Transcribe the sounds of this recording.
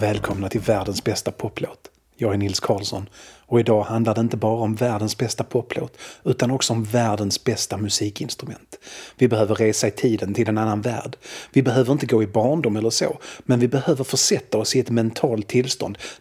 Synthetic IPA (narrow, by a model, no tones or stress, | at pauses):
vɛːlkʰɔmnat̪ʰɪlvæːɖənsbɛst̪apʰɔpːlo̰ːt̪ | jɑːɡɛɾɳɪlskʰɑːlsɔ̰nɔɪd̪ɑːhand̪laɖɛɪnt̪əbɑːɾaɔmvæːɖənsbɛst̪apʰɔpʰːlo̰ːt̪ʉ̟ːt̪anɔksɔɔmvæːɖənsbɛst̪amɵsiːkɪnst̪ɾɵmɛ̰nt̪vɪbɛhøːvəɾːeːsaɪt̪ʰiːd̪ənt̪ʰɪlɛnanːanvæ̰ːɖvɪbɛɦøːvəɾɪnt̪əɡoːɪbɑːɳdʊmɛlːəʂo̰ːmɛnvɪbɛhøːvəɾfœʂɛt̪ːaɔsɪɛt̪mɛnt̪ʰɑːlt̪ʰːɪlst̪ɔ̰nd̪